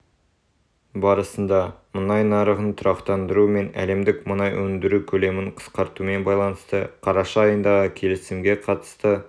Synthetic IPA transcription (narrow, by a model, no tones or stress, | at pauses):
bɑɾəsənd̪ɑmənɑjnɑɾəʁənt̪ʰʊɾɑqt̪ɑnd̪əɾume̞næ̰le̞md̪ɪkmənɑjwɵnd̪ɪɾukʲʰɵle̞mɪɴqʰə̥sqɑɾt̪ume̞nbɑjlˠɑnəst̪əqʰɑɾɑʃɑːjənd̪ɑʁəkʲʰe̞lɪsɪmɡʲe̞qʰɑt̪ə̥st̪ə